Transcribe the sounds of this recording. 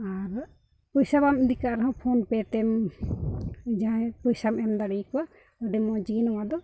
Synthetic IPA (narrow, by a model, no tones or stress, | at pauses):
aɾ | pɔjsabamid̪ikaʔɾɛɦɔ̃pʰɔnpɛt̪ɛm | d͡ʒaɛpɔjsamɛmd̪aɽijkɔwa | ɔɖɛmɔd͡ʒinɔwad̪ɔ